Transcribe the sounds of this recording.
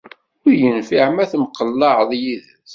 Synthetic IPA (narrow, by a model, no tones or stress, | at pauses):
ʊɾjənfiʕmæθmqəlːɑʕðˤjiðəθ